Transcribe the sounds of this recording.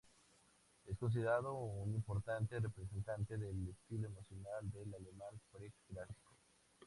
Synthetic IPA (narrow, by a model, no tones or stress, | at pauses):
e̞sko̞ns̬iðe̞ɾaðounimpo̞ɾt̪ant̪erepɾes̬e̞nt̪ant̪e̞ðelest̪iloemosjonald̪elalemãnpɾekɡɾafi̥ko̥